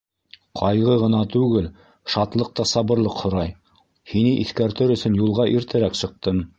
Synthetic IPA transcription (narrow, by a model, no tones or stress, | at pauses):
qʰɑjʁɤʁɤ̆nɑt̪ʉɡɘl | ʃɑt̪lˠɤq̚t̪ɑsɑβɤ̆ɾlˠɤqhŏɾɑj | hinɘʔiθkæɾt̪ɘɾɵ̆sɵ̆njulˠʁɑʔiɾt̪ɘ̆ɾæksɤ̆q̚t̪ɤm